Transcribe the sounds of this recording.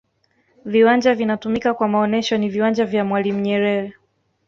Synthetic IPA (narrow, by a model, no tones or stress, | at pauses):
viwand͡ʒavinatumikakwamaɔnɛʃɔniviwand͡ʒavjamwalim̩ɲɛɾɛɾɛ